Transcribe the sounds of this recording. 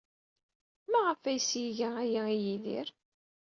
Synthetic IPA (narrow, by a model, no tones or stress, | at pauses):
maʁəfæjsjiʝææjaijiðḭɾ